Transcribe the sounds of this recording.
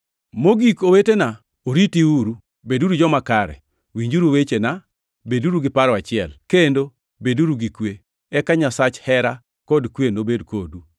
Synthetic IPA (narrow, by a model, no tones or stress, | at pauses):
moɡikowetena | oɾitiuɾu | beduɾud͡ʒɔmakaɾɛ̰ | wiɲd͡ʒuɾuwet͡ʃena | beduɾuɡɪpaɾɔat͡ʃɪɛlkendo | beduɾuɡikwe | ɛkaɲasat͡ʃhɛɾa | kɔdkwenobedkodu